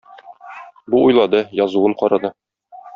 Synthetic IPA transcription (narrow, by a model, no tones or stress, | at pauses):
buʔujlˠɑd̪ɤjɒzuwɤɴqɒɾɑd̪ɤ